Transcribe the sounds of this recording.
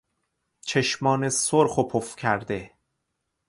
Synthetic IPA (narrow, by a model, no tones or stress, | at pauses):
t͡ʃʰeʃmɒːnesoɾχopʰofcʰæɾd̪e